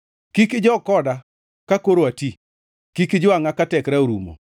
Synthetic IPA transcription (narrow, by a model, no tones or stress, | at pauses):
kikɪd͡ʒɔkɔda | kakoɾoati | kikɪd͡ʒʊaŋakatɛkɾaoɾumo̰